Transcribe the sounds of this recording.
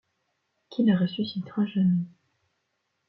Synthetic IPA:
kʲʰinaʁəsysit̪ãʒamɛ

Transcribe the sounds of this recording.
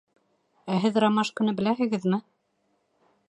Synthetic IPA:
æɦɘðrɑmɑʃkɵ̆nɘbɘ̆læhɘ̆ɡɘðmɘ

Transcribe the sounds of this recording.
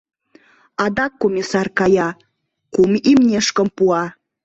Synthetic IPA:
ɑd̪ɑkːomʲisɑrkɑjɑ | kumimnʲeʃkə̆mpuɑ

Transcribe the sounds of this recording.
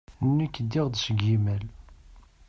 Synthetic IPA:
nːikːəd̪ːiʁd̪səɡimæl

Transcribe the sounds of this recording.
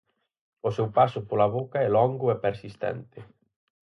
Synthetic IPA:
ʊsewpasʊpolaβokaɛlɔŋɡʊɛpeɾsist̪ɛ̰nt̪ɪ

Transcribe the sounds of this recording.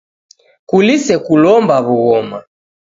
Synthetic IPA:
kulisɛkulɔmbaβuɣɔma

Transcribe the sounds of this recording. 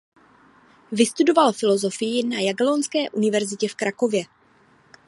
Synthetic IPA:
vɪst̪udo̞valfɪlo̞zo̞fɪjɪnajaɡlonskɛːʔunɪvɛɾzɪcɛfkɾako̞vjɛ

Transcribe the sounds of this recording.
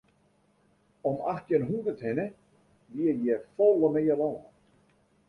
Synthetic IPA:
ɔmaxtjənɦundəthɪnə | ʋiəjɛfɔləmeːəlɔːə

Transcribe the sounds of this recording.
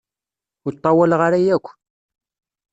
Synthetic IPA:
ʊt̪ˤːɑwælʁaɾæjækʷː

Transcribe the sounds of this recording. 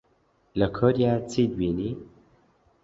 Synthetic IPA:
ləkʰoɾijaːt͡sʰid̪̚wiːniː

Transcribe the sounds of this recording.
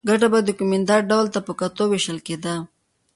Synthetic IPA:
ɡaʈabad̪əkumɪnd̪ɑɾɖawlt̪apəkat̪oweʃəlked̪a

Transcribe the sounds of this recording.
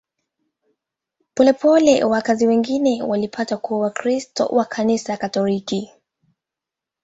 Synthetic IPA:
pɔlɛpʰɔlɛwakaziwɛŋɡinɛwalipʰatakuawakɾistɔ̰wʔakʰanisakatɔliki

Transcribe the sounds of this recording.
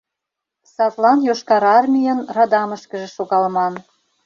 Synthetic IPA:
sɑt̪lˠɑnjoʃkɑɾɑrmʲijənrɑd̪ɑmə̆ʃkə̆ʒĕʃoɣɑlmɑn

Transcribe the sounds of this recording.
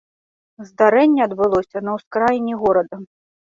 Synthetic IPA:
zd̪aɾɛnʲːɛɐd̪bɨlˠɔsʲɐnɐwskɾajinʲːiɣɔɾɐd̪ɐ

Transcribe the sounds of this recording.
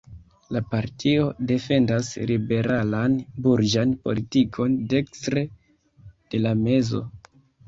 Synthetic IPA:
lapaɾtʰio̞de̞fe̞ndaslibe̞ɾalanbuɾd͡ʒanpo̞̰litikʰo̞nde̞kstɾe̞ | d̥e̞lame̞zo̞̰

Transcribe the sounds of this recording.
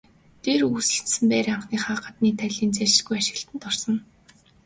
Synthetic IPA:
t̪eːɾusɘ̆ɬt̪sɘ̆mpæːɾaɴχniːχaːɢăt̪niːt̪ʰæɮiːnt͡sæɪ̥̆ɮɡujaʃɪ̆ɣɬt̪ɘ̆nt̪ɔrsɞ̆n

